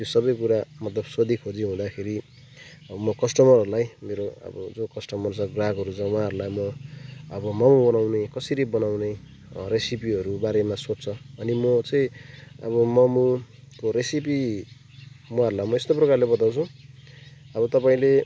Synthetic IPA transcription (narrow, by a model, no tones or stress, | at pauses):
t̪josʌbʌjkuɾamʌt̪lʌbsʌd̪ikʰod͡ziɦũd̪akʰeɾi | mʌkʌsʈʌmʌrɦʌɾulajmeɾoʌ̰bʌd͡zokʌsʈʌmʌrt͡sʰʌɡraɡɦʌɾut͡sʰʌwʌ̃ɦãɦʌɾulajmʌː | bʌmʌmubʌnawnekʌsiɾibʌnawne | resipiɦʌɾubaɾemasot͡st͡sʰʌʌnimʌt͡sʌĩʌ̰bʌmʌmu | koɾesip̬i | wʌaɦʌɾulajmʌest̪oprʌkarlebʌt̪aw̃t͡sʰʌ̃ | ʌbʌt̪ʌpaĩle